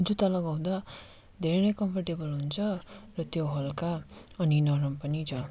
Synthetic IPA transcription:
ud͡zut̪ʌlʌɡaw̃d̪a | d̪ʱeɾenʌjkʌmpʰʌrʈebʌlɦunt͡sʰʌrʌt̪joɦʌlka | ʌninʌɾʌmpʌnid͡zʌ

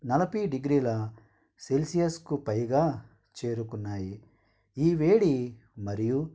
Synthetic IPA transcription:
nɐlɐpiɖiɡɾiːlɐ | selsijɐskupɐjɡaː | t͡ʃe̞ːɾukunːaːji | iːʋe̞ːɽi | mɐɾiju

